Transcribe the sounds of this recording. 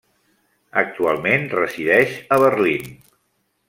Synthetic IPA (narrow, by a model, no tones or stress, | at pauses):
ək̚t̪ualˠmenrəziðɛʃəβərlin